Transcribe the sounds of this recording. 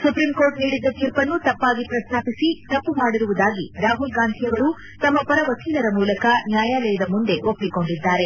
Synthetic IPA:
supɾimkoːɾʈniːɽid̪ːɐt̪iːɾpɐnːut̪ɐpːaːɡipɾɐst̪ʰaːpisit̪ɐpːumaːɽiɾuʋud̪aːɡiɾaːɦulɡaːnt̪ʰijɐʋɐɾu | t̪ɐmːɐpɐɾɐʋɐkʰiːnɐɾɐmuːlɐkɐnjaːjaːlɛjɐd̪ɐmund̪e̞ʔo̞pːiko̞ɳɖid̪ːaːɾe̞

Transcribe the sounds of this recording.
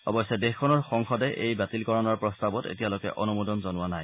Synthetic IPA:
ɔ̰bɔsːɛdexkʰːɔnɔɹxɔŋxɔdɛʔejbatilkɔɹɔnɔɹpɹɔstabɔtḛtijalokɛ̰ʔɔnumudɔnzɔnʊwanaj

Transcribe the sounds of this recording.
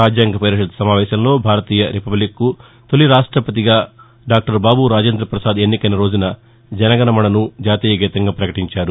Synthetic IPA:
aːd͡ʒjaːŋɡɐpɛːɾɐʂɐd̪̚sɐmaːʋɛːʃɐmlo̞ːbʱaːɾɐt̪iːjɐɾipɐblikːu | t̪o̞liɾaːʂʈɾɐpɐt̪̬iɡaː | ɖaːk̚ʈɐɾbaːbuɾaːd͡ʒeːnd̪ɾɐpɾɐsaːd̪enːikɐnɐɾo̞ːd͡ʒunɐ | d͡ʒɐnɐɡɐnɐmɐnɐnud͡ʒaːt̪iːjɐɡiːt̪ɐŋɡaːpɾɐkɐʈiɲt͡ʃaːɾu

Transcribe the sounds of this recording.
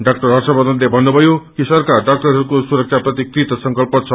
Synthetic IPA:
ɖak̚ʈʌrɦʌrsʌbʌd̪ʌnlebʱʌnːubʱʌjokisʌrkaɖak̚ʈʌrɦʌɾukosuɾʌk̚t͡sʰaprʌt̪ikrit̪ʌsʌŋkʌlpʌt̪̚t͡sʰʌ

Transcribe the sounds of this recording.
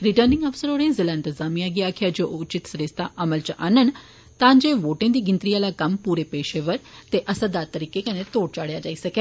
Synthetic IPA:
ɾɪʈəːɾnɪ̃ŋɡaːfsəɾɦoːɽẽzelaːɪ̃nt̪əzaːmijaːɡɪaːkʰjaːd͡ʒoːʊt͡ʃɪt̪səɾɪst̪aːʔəməlt͡ʃanən | t̪ãːd͡ʒeːʋoːʈɪ̃ːd̪iːɡɪnt̪ɾiːaːlaːkəmpuːɾeːpeːʃeːʋəɾt̪eːʔəsəd̪aːt̪əɾiːkeːkənẽt̪oːɽt͡ʃaːɽjaːd͡ʒaːiːsəkeː

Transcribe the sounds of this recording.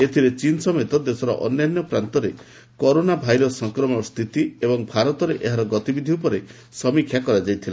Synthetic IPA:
et̪ʰiɾet͡ʃinsɔmet̪ɔd̪esɔɾɔ̰ʔɔ̰njanjɔpɾant̪ɔɾe | kɔɾonabʱajɾɔsɔŋkɾɔmɔst̪ʰit̪iebɔŋbʱaɾɔt̪ɔɾeʔeɦaɾɔɡɔt̪ibid̪ʱiupɔɾe | sɔmikʰjakɔɾad͡ʒajt̪ʰila

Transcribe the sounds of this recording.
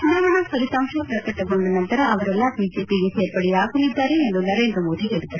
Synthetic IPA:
nd̪ɐʋɐɳaːsɐɾit̪ɐːmʂaːpɾɐkːɐʈːɐkːoɳɖɐnɐnt̪ɐɾɐɐʋɐɾɐlːãːʋiːd͡ʒeːpiɣeseːɾpɐɽijaːkɐnɪt̪ːaːɾeːnd̪onɐɾeːnd̪ɾɐmoːðiɛɽɯt̪ːɐɾɐ

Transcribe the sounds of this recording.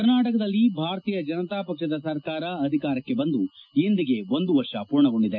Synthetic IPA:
kɐɾnaːʈɐkɐd̪ɐlːibʱaːɾɐt̪iːjɐd͡ʒɐnɐt̪aːpɐkʂɐd̪ɐsɐɾkaːɾɐːd̪ʱikaːɾɐkːe̞bɐnd̪uind̪iɡe̞ʋo̞nd̪uʋɐɾʂɐpuːɾɳɐɡo̞ɳɖid̪e

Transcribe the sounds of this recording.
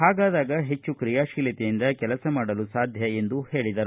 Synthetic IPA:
ɦaːɡaːd̪aːɡɐɦe̞t͡ʃːukɾijaːʃiːlit̪ejind̪ɐkɛlɐsɐmaːɽɐlusaːd̪ʱjɐe̞nd̪uhe̞ːɭid̪ɐɾu

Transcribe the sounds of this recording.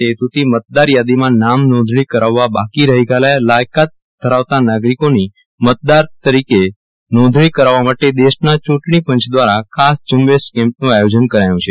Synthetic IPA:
t̪et̪ut̪imət̪̚d̪aɾjad̪imãnamnɔ̃d̪ʱɭ̃ikəɾaʋːabakiɾəɦiɡalajlajkat̪̚ | d̪ʱəɾaʋt̪anaɡɾikoni | mət̪̚d̪aɾt̪əɾike | nɔ̃d̪ʱɳ̃ikəɾaʋːamaʈed̪eʃnat͡ʃũʈɳipə̃ɲt͡ʃʰd̪ʋaɾakʰasd͡ʒəmʋeskɛ̃mpnũajod͡ʒənkəɾajũt͡ʃʰe

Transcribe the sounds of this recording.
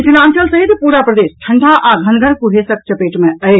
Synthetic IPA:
fʰinãnt͡ʃəlsəɦit̪puɾapɾəd̪esʈʰəɳɖʱaʔaɡʱənɡʱəɾkuɦesək̚t͡ʃəpeʈmeəj

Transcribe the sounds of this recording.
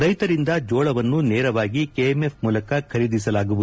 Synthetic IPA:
ɾɐjt̪ɐɾind̪ɐd͡ʒoːɭɐʋɐnːuneːɾɐʋaːɡikeemepmuːlɐkɐkʰɐɾid̪isɐlaːɡubud̪

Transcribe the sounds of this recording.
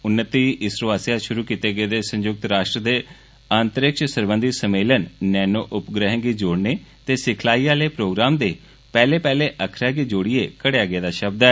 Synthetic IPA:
ʊnːət̪iːʔɪsɾoaːsjaːʃʊɾuːkiːt̪eːɡeːd̪eːsə̃ɲd͡ʒʊk̚t̪ɾaːʃʈɾəd̪eː | aːnt̪əɾɪkʃsəɾbə̃nd̪iːsəmeːlənːɛːnoːʔʊpɡɾəɦə̃ɡiːd͡ʒoːɽneːt̪eːsɪkʰlaːiːaːleːpɾoːɡɾaːmd̪eː | pɛːleːpɛːleːʔəkʰɾaːɡiːd͡ʒoːɽɪːeːkəɽejaːɡəeːd̪aːʃəb̚d̪ɛː

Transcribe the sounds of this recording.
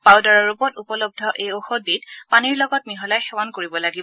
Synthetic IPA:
pawdaɹɔɹupɔtupɔlob̚dʱɔʔejoxod̚bitpaniɹlɔɡɔtmiɦɔlajxɛwankoɹibɔlaɡib

